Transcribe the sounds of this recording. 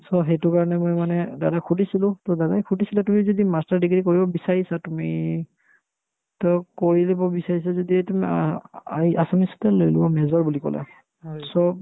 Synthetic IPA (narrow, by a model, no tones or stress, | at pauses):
sɔɦetʊkaɹɔnɛmojmanɛdadakʰudisilʊ̃tɔdadakʰudisilatumizɔdimastaɹdiɡɹikoɹibɔbisaɹisatumi | tɔkoɹilibɔbisaɹisazɔdietum | aiasamisɔ̥tɛlojlibɔmɛzɔɹbulikɔ̰la̰ | sɔ